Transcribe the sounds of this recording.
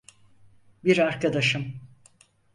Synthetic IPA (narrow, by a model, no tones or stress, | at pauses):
biɾaɾkad̪aʃɯm